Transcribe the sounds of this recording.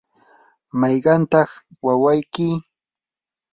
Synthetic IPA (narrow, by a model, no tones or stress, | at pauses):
mɑjɢɑnt̪ɑχwawajkɪ